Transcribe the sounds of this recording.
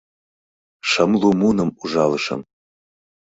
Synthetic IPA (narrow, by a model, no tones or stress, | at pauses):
ʃəmlumunə̆muʒɑlɤʃɤ̰m